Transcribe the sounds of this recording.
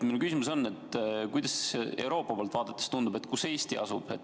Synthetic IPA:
milkysimuso̞nːe̞t̪ːkujd̪ɑse̞̰wɾo̞ːpːˑɑpoːlt̪vɑːd̪et̪ːˑest̪und̪ube̞t̪ːˑkuse̞ːst̪iɑ̰sub̥ḛt̪

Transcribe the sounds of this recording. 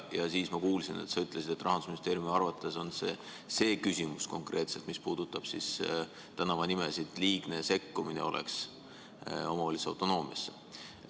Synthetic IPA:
jɑsiːsmɑkuːlsinḛt̪sɑyt̪ˑlesid̪̥e̞t̪ːˑrɑhɑnd̪usminist̪e̞ːɾjumiɑrvɑt̪ːˑeso̞nse | se̞ːkysʲimusko̞̰ŋkrʔe̞ːt̪se̞lt̪mispuːd̪̥ut̪ːˑɑb̥sis | t̪ænɑvɑnimesid̪̥liːɡ̥ne̞se̞kːuminḛo̞lʔḛks | o̞mɑolʲisɑ̰wt̪ːˑo̞no̞ːmiɑsːe̥

